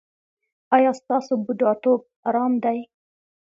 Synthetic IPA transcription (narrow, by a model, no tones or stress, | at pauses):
ɑjɑst̪ɑsobud̪ɑt̪ob̚ɑɾɑmd̪aj